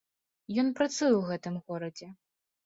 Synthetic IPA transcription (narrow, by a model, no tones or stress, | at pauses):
jɔnpɾɐt̪sujuwɣɛt̪ɨmɣɔɾɐd͡zʲɛ